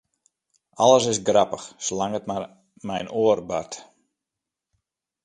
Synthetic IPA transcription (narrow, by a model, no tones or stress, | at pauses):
ʔaləsɪsɡrapəxslaŋətma | mɛjnoərba̰rt